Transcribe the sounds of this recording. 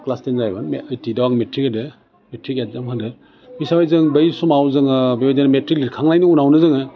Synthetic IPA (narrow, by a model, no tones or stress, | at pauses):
klastenzajbanmeɯjtidawaŋmetɾikadɯ | metɾikat̚zamhʰadɯ | misawajzɯŋbɐjsumawzɯŋɯbewajzanmetɾiklitkʰaŋnajniunawnɯzɯŋɯ